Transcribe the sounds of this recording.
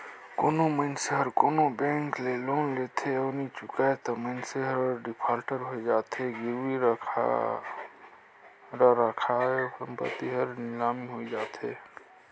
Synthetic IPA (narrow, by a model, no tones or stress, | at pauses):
koːnoməɪnseɦəɾkoːnobẽŋklelonlet̪ʰeənit͡ʃukaet̪əməɪnseɦəɾɖipʰalʈəɾɦoed͡ʒaːt̪ɦeɡiɾiɾ̰ʰ | ɾəɾəkʰaesəmpə̰t̪iɦəɾnɪlamiɦoid͡ʒaːt̪ɦḛ